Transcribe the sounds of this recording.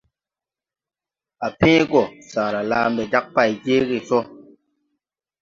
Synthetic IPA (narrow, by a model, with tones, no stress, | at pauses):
a˨pɛ̃ː˦ɡɔ˦˨saː˨ɾa˨laː˦m˦bɛ˨d͡ʒa˦k̚pa˦˨jd͡ʒeː˦ɣi˦˨sɔ˦